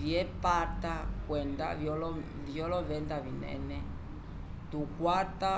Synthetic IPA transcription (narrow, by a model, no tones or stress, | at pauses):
viɛpaɾt̪akwɛnd̪a̰vjɔlɔ | vjɔlɔvɛnd̪avinɛ̰nɛ | t̪ukwaɾt̪a